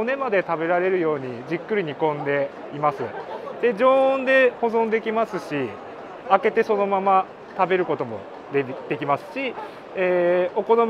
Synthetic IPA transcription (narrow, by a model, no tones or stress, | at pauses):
one̞mad̪e̞t̪abe̞ɾaɾe̞ɾɯ̟jo̞ːɲ̟id͡ʑikːɯ̟ɾʲiɲ̟ikõ̞nd̪e̞ | imasɨ̰d̪̥e̞d͡ʑõ̞ːnd̪e̞ho̞zõ̞nd̪e̞kʲimasɨɕi | ake̞t̪e̞so̞no̞mama | t̪abe̞ɾɯ̟ko̞t̪o̞mo̞̰ | d̪d̪̥e̞kʲimasɨ̥ɕi | eːo̞ko̞nom